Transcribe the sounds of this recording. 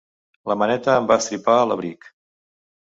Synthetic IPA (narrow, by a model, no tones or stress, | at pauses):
ləmənɛt̪əːmbast̪ɾipaələβɾik